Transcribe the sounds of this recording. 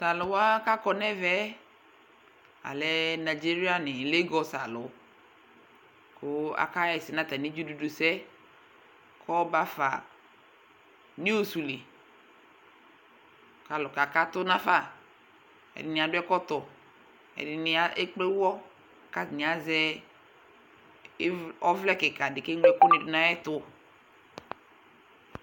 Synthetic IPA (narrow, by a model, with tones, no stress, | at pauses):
sa˨lʊ˨wa˦ka˦kɔ˨nɛ˦vɛ˦ | a̰˨lɛ˨˦na˨d͡ʒi˦ɾi˦a˦nɪ˨le˦ɡɔ˨sa˨lʊ˨ | kʊ˦a̰˨ka˦jɛ˨sɪ˨nã˦t̪a˨ni˦d͡ʒu˦du˨du˨sɛ˦ | kʰɔ˦ba˦fa̰˨ | ni˦o˨su˨li˨ | ka˨lɔ˨ka˨ka˦tʊ˦na˦fa˦˨ | ɛ̰˨dɪ˨nɪ˨a˨dʊ˦ɛ˦kɔ˦tɔ˨ | ɛ̰˨dɪ˨nɪ˦a˦e˦k͡pe˦wɔ˦˨ | ka˦˨nɪ˨a˦zɛ˦ | ɔ˦vlɛ˦kɪ˨ka˨dɪ˨ke˦ŋwɛ˦kʊ˦nɪ˨dʊ˨na˦jɛ˦tʊ˦